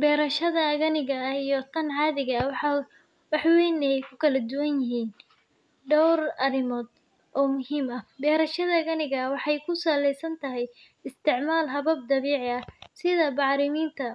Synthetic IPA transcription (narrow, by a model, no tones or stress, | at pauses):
bɛːɾɐʃɐðɐɣɐnɪɣɐijɔt̪ʰɐnʕɑːðɪɣɐw | wɑħwɛːnɛjjkʰʊkʰɐlɐd̪ʊwɐnjɪɦiːn | ɖɔwrɐrɪmɔːd̪ | ʔɔːmʊɦiːmɐbɛːɾɐʃɐðɐɣɐnɪɣɐwɑħɑjkʰʊsɐlɛjsɐnt̪ʰɐɦɛj | ɪst̪ʰɪʕmaːlɦɐβɐb̚d̪ɐβiːʕɪɐsɪðɐbɑʕɾɪmiːnt̪ʰɐ